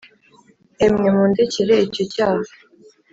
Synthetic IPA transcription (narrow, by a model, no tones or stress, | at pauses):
emŋemundeciɾeicocaːha